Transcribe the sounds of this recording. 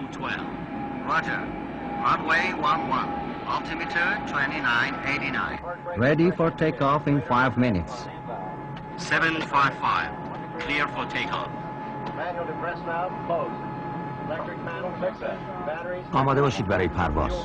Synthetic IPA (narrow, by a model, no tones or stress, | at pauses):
tʰwɛ̰lv | ɹɔd͡ʒə̰˞ | ɹanweɪwʌ̃nwʌ̃n | ɔltʰɪmitʰəɹtʰwɛ̃ntinãɪ̃neɪɾinã̰ɪ̃nɹɛdifɔɹtʰeɪkɔfɪ̃nfaɪvmɪnɪts | sɛvə̃nfaɪvfaɪv | kʰliəɹfɔɹtʰekʰɔ̰f | pɹɛsna | o | lɛtɹɪkæn | bæɾiɒːmɒːd̪eɒːʃiːd̪bæɾɒːjepʰæ̰ɾvɒ̰ːz̥